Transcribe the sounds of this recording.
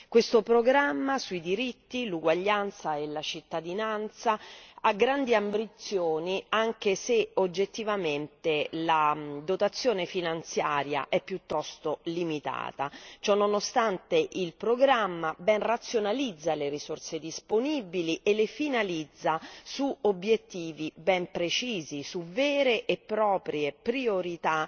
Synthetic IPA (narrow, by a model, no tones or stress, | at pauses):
kwest̪opɾoɡɾamːasuid̪iɾit̪ːiluɡwaʎːant̪saelat͡ʃit̪ːad̪inant̪saaɡɾand̪iambɾit̪sːjoːniaŋk̟eseod͡ʒːet̪ːivament̪elad̪ot̪at̪sːjoːnefinant̪sjaːɾja̰ʔɛpːjut̪ːɔst̪olimit̪a̰ːt̪at͡ʃɔnːonost̪ant̪eʔilpɾoɡɾamːabɛnrat̪sːjonalid̪zːaleɾisorsed̪isponibiliʔelefinalid̪zːasuobːjet̪ːiːvibɛmpɾet͡ʃiːzisuvɛːɾeʔepːɾɔːpɾjepɾioɾit̪a